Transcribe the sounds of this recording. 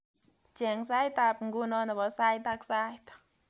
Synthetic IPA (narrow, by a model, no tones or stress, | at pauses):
t͡ɕɛŋsajt̪ap̚ŋɡunɔnabɔsajt̪aksajt̪